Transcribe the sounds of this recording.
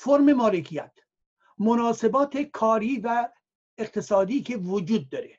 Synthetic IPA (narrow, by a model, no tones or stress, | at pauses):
foɾme̞mɒːlekʰijæt̪ʰ | monɒːse̞bɒːt̪ʰekʰɒːɾiːvæ | eqt̪ʰe̞sɒːd̪iːkʲʰe̞vod͡ʒuːd̪̚ːɒːɾe